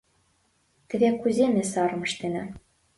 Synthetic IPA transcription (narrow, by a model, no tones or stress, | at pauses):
t̪ɘ̆βekuzʲemʲesɑɾɤ̆mɤ̆ʃt̪enɘ̆